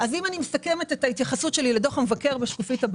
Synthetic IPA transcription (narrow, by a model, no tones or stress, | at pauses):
azimanimesake̞me̞tetaitjaχasutʃe̞liledo̞χamevake̞ʁbeʃkufithab